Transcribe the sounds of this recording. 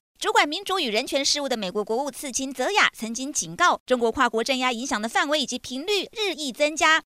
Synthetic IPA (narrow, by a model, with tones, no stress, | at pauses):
ʈ͡ʂu˧˥kwa˨˩nmi˧˥ŋʈ͡ʂu˧˥y˨˩ɻə˧˥nt͡ɕʰɥɛ˧˥nʂɻ̩˥˧u˥˩d̪ə˩me˨˩ɪkwɔ˧˥kwɔ˧˥u˥˧t͡sʰɹ̩˥˩t͡ɕʰi˥nt͡sɤ˧˥ja̰˨˩t͡sʰɤ˧˥ŋt͡ɕi˥ŋt͡ɕi˨˩nkɑ˥˩ʊʈ͡ʂʊ˥ŋkwɔ˧˥kʰwa˥˩kwɔ˧˥ʈ͡ʂə˥˧nja˥i˧˥ŋɕjɑ˨˩ŋd̪ə˦fa˥˩nwe˧˥ɪi˨˩t͡ɕi˧˥pʰi˧˥ŋly˥˧ɻɻ̩˥˧i˥˩t͡sə˥ŋt͡ɕja˥